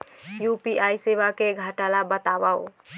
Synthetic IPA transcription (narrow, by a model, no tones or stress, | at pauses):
jupiʔajseʋakeɡʱaʈalabət̪abao̰